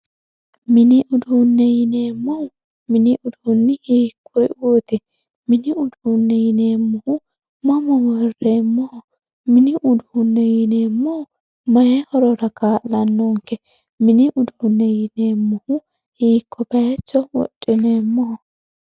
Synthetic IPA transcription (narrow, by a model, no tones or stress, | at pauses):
mɪnɪʔʊd̪unːɛjɪneːmːɔhʊ | mɪnɪʔʊd̪unːɪhiːkːʊɾɪ̰oːt̪ɛ | mɪnɪʊd̪unːɛjɪneːmːʊhʊ | mɐmɔwɔreːmːɔhɔ | mɪnɪʔʊd̪uːnːɛjɪneːmːɔhɔ | mɐjɛhɔɾɔɾɐkʰaːʔːɐnːɔŋkːɛ | mɪnɪʔʊd̪unːɛjɪneːmːʊhʊ | hiːkʰːɔbɐjɛt͡ʃːɔwɔ̰tʼːɪneːmːɔhɔ